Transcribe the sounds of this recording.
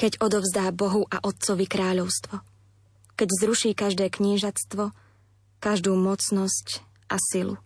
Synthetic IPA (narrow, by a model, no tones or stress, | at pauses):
kɛɟɔd̪ɔʊzd̪aːbɔɦuʔaʔɔt̪̚t͡sɔʋikɾaːʎɔʊst̪ʋɔ | kɛɟzɾuʃiːkaʒd̪ɛːkɲiːʒat͡st̪ʋɔ | kaʒd̪uːmɔt͡snɔsc | ʔasilṵ